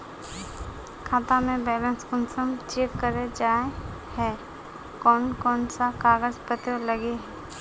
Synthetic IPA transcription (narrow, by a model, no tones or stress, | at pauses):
kʰaːt̪amẽbɛːlə̃nskʊnsəmt͡ʃeːkkəɾed͡ʒaːe | hɛ | kɔːnkɔːnsakaːɡəɾzpət̪jələɡeɦɛ